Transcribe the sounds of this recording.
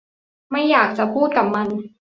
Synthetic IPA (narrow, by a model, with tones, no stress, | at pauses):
ma˥˩jːaː˨˩k̚t͡ɕa˨˩pʰuː˥˩t̪̚ka˨˩p̚ma˧n